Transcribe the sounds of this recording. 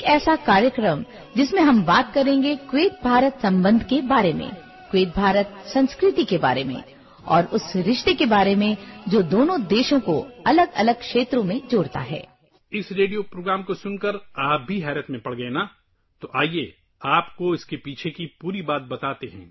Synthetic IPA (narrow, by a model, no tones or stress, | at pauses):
ekɛːsakaːɾjəkɾəm | d͡ʒɪsmẽɦɐmbaːt̪̚kɐɾẽːŋɡekweːt̪̚bʱaːɾət̪sɐ̃mbə̃nd̪ʱkebaːɾemḛ̃ | kweːt̪̚bʱaːɾət̪sɐ̃nskɾɪt̪ikeba̰ːɾemḛ̃ | ɔ̰ːɾʊsɾɪʃt̪ekebaːɾemẽd͡ʒoːd̪oːnõd̪eːʃõko̰ɐləɡɐ̰ləɡ̚kʃeːt̪ɾõmẽd͡ʒoːɽt̪a̰ɦɛ̰ː | ɪsɾeːɖijopɾoːɡɾaːmkosʊnkəɾaːp̚bʱiɦɛːɾət̪mẽpɐɽɡɐena | t̪oʔaːieː | aːpkoɪskepiːt͡ʃʰekipuːɾibaːt̪̚bɐt̪aːt̪eɦɛ̃ː